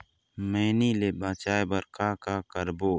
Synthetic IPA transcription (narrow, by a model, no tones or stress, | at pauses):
meːniːleːbaːt͡ʃaːebɐɾkaːkaːkəɾboː